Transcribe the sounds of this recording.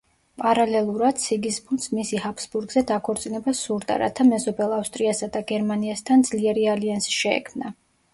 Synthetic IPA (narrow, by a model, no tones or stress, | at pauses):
pʼaɾalɛlˠuɾad̪̥̚sʰiɡisbund̪smisihapʰsbuɾɡzɛd̪akʰɔɾt̪sʼinɛbasuɾd̪a̰ɾa̰t̪ʰamɛzɔbɛlˠafst̪ʼɾiasad̪aɡɛɾmaniast̪ʰand̪z̥liɛɾialiansi̥ʃɛɛ̰kʰmna